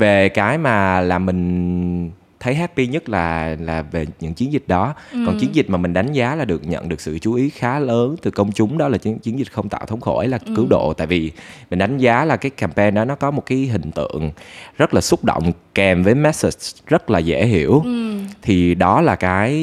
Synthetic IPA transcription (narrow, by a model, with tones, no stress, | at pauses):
ve˨˩kaː˨˦jmaː˨˩laː˨˩mï˨˩ŋ̟ | t̪ʰə˨˦jɦɛː˦˥t̚pi˧ɲə˦˥t̚laː˨˩laː˨˩ve˨˩ɲɨ̰˧˥ŋt͡ɕi˨˦ənzï˨˩k̟̚ɗɔ˨˦kɔ˨˩nt͡ɕi˨˦ənzi˨˩t̟̚maː˨˩mï˨˩ŋ̟ɗa˨˦jŋ̟zaː˨˦laː˨˩ɗɨ˨˩ək̚ɲə̰˧˨nɗɨ˨˩ək̚sɨ̰˧˨t͡ɕu˨˦ʔi˨˦xaː˨˦ləː˨˦nt̪ɨ˨˩kə˧wŋ͡mt͡ɕʊ˨˦ŋ͡mɗɔ˨˦laː˨˩t͡ɕt͡ɕi˨˦ənzï˨˩t̟̚xə˧wŋ͡mt̪a̰ː˧˨wt̪ʰə˨˦wŋ͡mxo˧˩jlaː˨˩kɨ˨˦wɗo̰˧˨t̪a̰ː˧˨jvi˨˩mmï˨˩ŋ̟ɗa˨˦jŋ̟zaː˨˦laː˨˩kaː˨˦jkaː˨˩mpɛ˧nɗɔ˨˦nɔ˨˦kɔ˨˦mo˨˩t̚kaː˨˦jɦï˨˩ŋ̟t̪ɨ̰˧˨əŋzə˦˥t̚laː˨˩sʊ˦˥k͡p̚ɗo̰˧˨wŋ͡mkɛ˨˩mvəː˨˦jmɛ˦˥si˨˩t̚zə˦˥t̚laː˨˩zḛ˧˩ɦi˧˩əwt̪ʰi˨˩ɗɔ˨˦laː˨˩kaː˨˦j